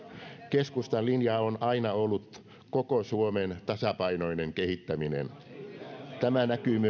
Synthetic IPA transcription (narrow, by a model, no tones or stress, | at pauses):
keskust̪ɑnlinjɑːonɑinɑolːut̪ | kokosuoment̪ɑsɑpɑinoineŋkehit̪ːæminḛn | t̪æmænækyːmy